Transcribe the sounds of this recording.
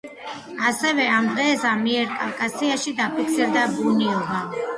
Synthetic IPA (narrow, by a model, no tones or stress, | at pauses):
asɛvɛamd̪ʁɛsamiɛɾkʼavkʼasiaʃid̪apʰikʰsiɾd̪abuniɔba